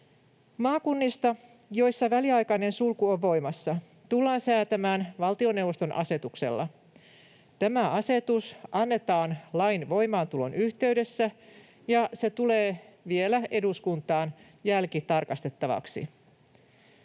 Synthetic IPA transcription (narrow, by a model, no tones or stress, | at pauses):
mɑːkunːist̪ɑ | jo̞jsːɑʋæliɑjkɑine̞nsulkuoʋːo̞jmɑsːɑ | t̪ulːɑːnsæːt̪æmæːnʋɑlt̪io̞newʋːost̪o̞nʔɑ̰se̞t̪ukse̞̰lːɑ̰ | t̪æmæɑse̞t̪usɑnːe̞t̪ɑːnlɑjnʋo̞jmɑːnt̪ulo̞̰nyçt̪e̞yde̞sːæ | jɑse̞t̪ule̞ːʋie̞læʔe̞duskunt̪ɑːn | jælkit̪ɑrkɑst̪e̞t̪ːɑʋɑ̰ksḭ